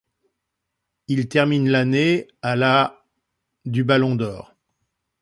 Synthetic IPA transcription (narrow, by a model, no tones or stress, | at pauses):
ilt̪ɛʁminlaneala | d̪ybalɔ̃d̪ɔːʁ